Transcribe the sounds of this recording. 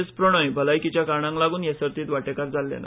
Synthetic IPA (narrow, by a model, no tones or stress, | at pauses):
espɾoɽ̃əjbʱəlajkit͡ɕjakaɳãŋklaɡuːnjesəɾt̪iːt̪ʋaʈekaɾd͡zalːḛna̰